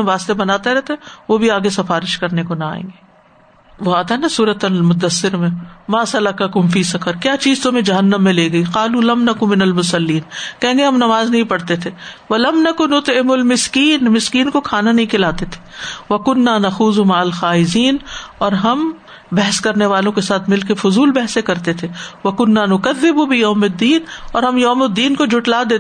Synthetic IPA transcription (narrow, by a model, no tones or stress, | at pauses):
ẽʋaːst̪ebɐnaːt̪aɾɛt̪eʋobʱiaːɡesɐfaːɾɪʃkɐɾnekonɐa̰ːḛ̃ːŋɡeː | ʋoaːt̪anasuːɾət̪ɐlmʊt̪d̪ːəsːɪɾmẽmaːsɐlɐkɐkʊmfiːsɐkəɾkjaːt͡ʃiːzt̪õmẽd͡ʒɐɦɐnːəmːẽleːɡɐiːqaːluːlɐmnɐkʊmɪnɐlmʊsɐlːiːnkɛɦẽːɡeɦɐmnɐmaːznɐɦĩpɐɽt̪et̪ʰeːʋɐlɐmnɐkʊnːʊt̪ɪmʊlmɪskiːnmɪskiːnkokʰaːnanɐɦĩkʰɪlaːt̪et̪ʰe̥ʋɐkʊnːaːnɐxuːzumaʕɐlxaːɪziːnɔːɾɦɐm | bɛɦɛskɐɾneʋaːlõkesaːt̪ʰmɪlk̬efʊzuːlbɛɦɛsekɐɾt̪et̪ʰeʋɐkʊnːaːnʊkɐðːɪbubɪjɐːmɪd̪ːiːnɔːɾɦɐmjɐːmʊd̪ːiːnkod͡ʒʱʊʈlaːd̪eːt̪